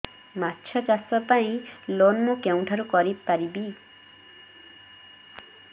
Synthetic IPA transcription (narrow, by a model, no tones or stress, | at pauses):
matːt͡ʃʰɔt͡ʃasɔpaĩlonmukew̃ʈʰaɾukɔɾib̚paɾibi